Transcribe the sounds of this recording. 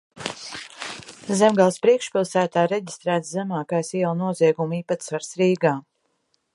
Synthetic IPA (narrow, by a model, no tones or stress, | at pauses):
zɛmɡalˠspɾiɛkʃpʲilˠsæːt̪aːɾɛɟist̪ɾæːt̪szɛmaːkajsiɛlˠnuɔziɛɡumiːpat̪svaɾsɾiːɡaː